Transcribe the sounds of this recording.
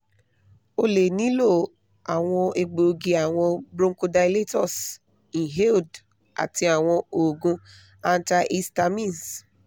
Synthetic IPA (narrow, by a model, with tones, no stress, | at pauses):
o˧le˨nĩ˨˦lo˦˨ | a˨w̃ɔ̃˧e˧ɡ͡bo˨ɡi˧a˨w̃ɔ̃˧bɾõ˦ŋ˦ko˧da˧jle˦tɔ˦˨s | ĩ˨ɦe˦ld | a̰˨ti˧˦a˨w̃ɔ̃˧o˨ɡũ˧ | a˦n̩˦ta˧ʔi˦sta˧mĩ˦˨ns